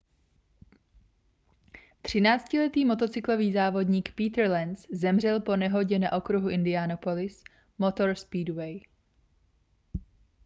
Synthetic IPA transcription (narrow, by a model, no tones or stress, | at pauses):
t̪r̝̥ɪnaːt͡scɪlɛt̪iːmo̞t̪o̞t͡sɪklo̞viːzaːvo̞dɲiːkpiːt̪ɾlɛnszɛmr̝ɛlpo̞nɛɦo̞ɟɛna̰ʔo̞kɾuɦuʔɪndɪaːnopo̞lɪs | mo̞t̪o̞ɾspiːdwɛj